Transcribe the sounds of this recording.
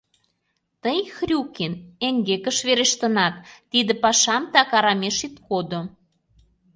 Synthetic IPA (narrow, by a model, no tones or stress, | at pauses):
t̪əjxrʲukineŋɡekə̆ʃβeɾeʃt̪ə̆nɑt̪ːid̪ĕpɑʃɑmt̪ɑkɑɾɑmeʃit̪kod̪o